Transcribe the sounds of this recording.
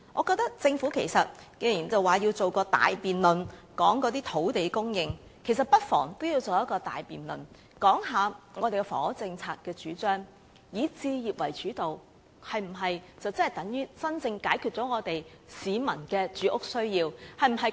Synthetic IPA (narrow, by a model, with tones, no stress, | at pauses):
ŋʔɔː˨˧kɔː˧k̚t̪ɐ˥k̚t͡sɪ˧ŋfuː˨˥kʰe˨˩jsɐ˨t̚ke˧jji˨˩nt͡sɐ˨waː˨ji˧wt͡so˨wkɔː˧t̪a̰ː˨jpiː˨nlɵ˨nkɔː˨˥ŋkɔ˨˧˥t̪iː˥t̪ʰo˨˥wt̪e˨˧jkʊ˥ŋjɪ˧ŋ | kʰe˨˩js̬ɐ˨t̚pɐ˥t̚fɔ̰ː˨˩ŋt̪o˥wji˧wt͡so˨wjɐ˥t̚kɔː˧t̪a̰ː˨jpiː˨nlɵ̰˨n | kɔː˨˥ŋɦaː˨˧ŋɔː˨˧t̪e˨kɛ˧fɔ̰ː˨˥t͡sɪ˧ŋt͡sʰaː˧t̚kɛː˧t͡ʃyː˨˥t͡ʃœː˥ŋ | jiː˨˥t͡siː˧jiː˨˩p̚wɐ̰˨˩jt͡ʃyː˨˥t̪o˨w | hɐ˨jm̩˨˩ɦɐ˨jt͡sɐ˨wt͡sɐ˥nhɐ˨˩jt̪ɐ˨˥ŋjyː˥t͡sɐ˥nt͡sɪ˧ŋkaː˨˥jkʰy˨t̚t͡sɔː˨˥ŋɔː˨˧t̪e˨j | siː˨˧mɐ˨˩nkɛː˧t͡ʃyː˨˥ʔʊ˥k̚sɵ˥ɥjiː˧whɐ˨jm̩˨˩ɦɐ˨